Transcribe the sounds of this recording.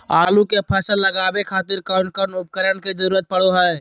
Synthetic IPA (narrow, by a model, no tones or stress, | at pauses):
aːlũkepʰɛːsəlːəɡaːbekʰaːt̪ɪɾkaʊɳkənʊp̚kəɾənked͡ʒəɾuːɾət̪̚pəɽoɦɛː